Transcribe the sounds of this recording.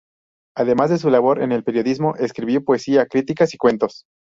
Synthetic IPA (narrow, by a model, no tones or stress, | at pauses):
aðe̞mazðes̬ulaβo̞ɾe̞̰ne̞lpe̞ɾjo̞ðizmo̞ʔeskɾiβjo̞poesiakɾit̪ikasikwe̞nt̪o̞s